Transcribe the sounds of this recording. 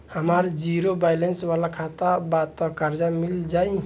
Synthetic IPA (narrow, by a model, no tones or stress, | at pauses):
həməɾd͡ʒiɾobajlenswalakʰat̪abat̪ɔkəɾd͡ʒamild͡ʒai